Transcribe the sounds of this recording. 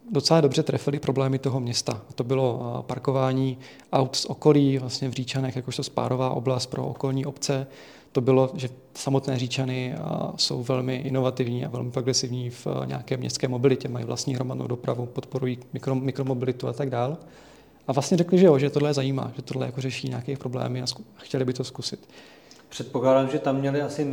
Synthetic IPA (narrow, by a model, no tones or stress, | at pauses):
dot͡sɛlaːdo̞br̝ɛt̪ɾɛfɪlɪpɾo̞blɛːmɪt̪oɦo̞mɲɛst̪aat̪obɪlo̞paɾko̞vaːɲiː | ʔawt̪sʔoko̞liːvlast̪ɲɛvriːt͡ʃanɛxjakoʃt̪ospa̰ːɾo̞vaːʔo̞blast̪̚pɾo̞̰ʔo̰ko̞lɲiːʔo̞pt͡sɛ | t̪o̞bɪlo̞ʒɛ | samo̞t̪nɛːriːt͡ʃanɪso̞̰wvɛlmɪʔɪno̞vat̪ɪvɲiːa̰vɛ̰lmɪpɾo̞ɡɾɛsɪvɲiːfɲ̰aːkɛːmɲɛ̰st̪skɛːmo̞bɪlɪcɛmajḭvla̰st̪ɲiːɦɾo̞madno̰wdopɾavupot̪po̞ɾujiːmɪkɾomɪkɾomo̞bɪlɪt̪uat̪aɡdaːl | ʔavlast̪ɲɛɾɛklɪʒɛjoʒɛt̪odlɛjɛzajiːma̰ːʒɛt̪odlɛ̰jakorɛʃiːɲaːkɛːipɾo̞blɛ̰ːmɪasxcɛlɪbɪt̪o̞skusɪt̪ | pr̥ɛt̪̚poklaːdaːmʒɛt̪amːɲɛlɪasɪ